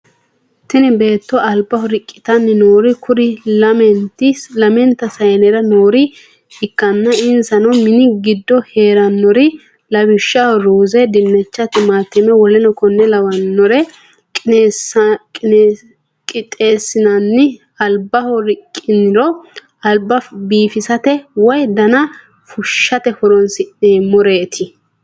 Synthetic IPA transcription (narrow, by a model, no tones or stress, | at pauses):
t̪ɪnɪbe̞ːt̪ːɔɐlbɐhɔɾɪkʼːɪ̥t̪ɐnːɪnoːɾɪkʰʊɾɪlɐmɛnt̪ɪlɐmɛnt̪ːɐsɐjnɛɾɐnoːɾɪ | ɪkːɐnːɐɪnsɐnɐmɪnɪɡɪd̪ːɔhe̞ːɾɐnːɔɾɪ | lɐβɪʃːɐɾuːzɛd̪ɪnːɛt͡ʃːɐt̪ɪmaːt̪ːɪmɛwɔlɛnɔkɔnːɛlɐwɐnːɔɾɛ | kʼːskʼː | kʼɪt̪ʼe̞ːsːɪnɐnːɪ | ɐlbɐhɔɾɪkʼːɪnɪɾɔ | ɐlbɐbiːfɪsɐt̪ɛwɔjd̪ɐnɐ | fʊʃːɐt̪ɛhɔɾɔnsɪeːmɔɾeːt̪ʰɪ